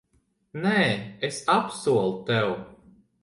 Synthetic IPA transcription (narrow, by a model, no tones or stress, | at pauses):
nɛːesapsuɔlˠt̪ɛw